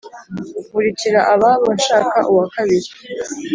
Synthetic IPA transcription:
βuɾiciɾaʔaβaβoʃaːka̰ʔuwakaβiɾi

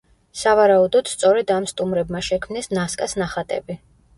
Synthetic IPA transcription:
savaɾaud̪ɔd̪̥st̪sʼɔɾɛd̪amst̪ʼumɾɛbmaʃɛkʰmnɛsnaskʼasnaχat̪ʼɛ̰bi

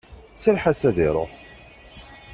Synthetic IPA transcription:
səlħasæðiɾˤo̰

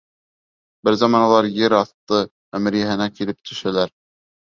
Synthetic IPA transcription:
bɘɾzɑmɑnɑlˠɑɾjɘɾɑθt̪ɤ | æmɘ̆ɾjæhɘ̆nækilɘp̚t̪ʰɵ̆ʃælæɾ

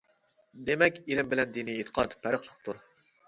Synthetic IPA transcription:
d̪emɛkʲilɪmbɪlɛnd̪iniet̪ʰə̥qʰɑt̪pʰæɾəχlˠəqt̪ʰuɾ

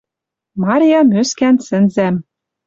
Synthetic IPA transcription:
mɑɾʲijɑmøskænsɘ̆nzæm

